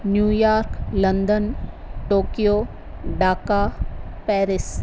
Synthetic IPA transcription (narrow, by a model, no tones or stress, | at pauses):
njuːjaːɾklɐ̃nd̪ən | ʈoːkijoː | ɖaːkapɛːɾɪs